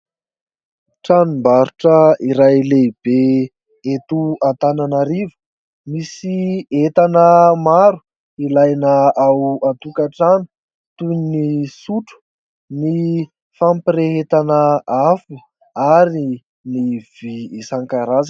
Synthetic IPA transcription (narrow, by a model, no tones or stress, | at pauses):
ʈ͡ʂanimbaɾuʈ͡ʂəiɾajleb̥e | et̪uant̪ananaɾivə̥ | misiet̪anəmaɾu̥ | ilajnəawat̪ukaʈ͡ʂanu̥ | t̪unisuʈ͡ʂu̥ | ni | fampireɦet̪anəafi | aɾi | niv̥iːsaŋkaɾaz